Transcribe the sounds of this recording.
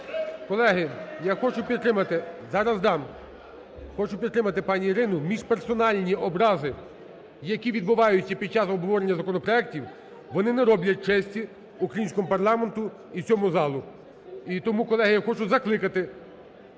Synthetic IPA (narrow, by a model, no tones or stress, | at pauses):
kɔlˠɛɦɪjaxɔt͡ʃʊpʲid̪t̪ːɾɪmɐt̪ɪzɑɾɐzd̪ɑm | xɔt͡ʃʊpʲit̪t̪ːɾɪmɐt̪ɪpɑnʲiːɾɪnʊmʲiʒpersɔnɑlʲnʲiɔbɾɑzɪ | jɐkʲiʋʲid̪̚bʊʋɑjʊt͡sʲːɐpʲid̪̚t͡ʃɑsɔbʱɦɔʋɔɾenʲːɐzɐkɔnɔpɾɔɛk̚tʲiw | ʋɔnɪneɾɔblʲɐt̚ʲt͡ʃɛsʲtʲi | ukɾɐjinsʲkɔmʊpɐrlˠɑment̪ʊ | it͡sʲɔmʊzɑlˠʊ | it̪ɔmukɔlˠɛɦɪjaxɔt͡ʃʊzɐklˠɪkɐt̪ɪ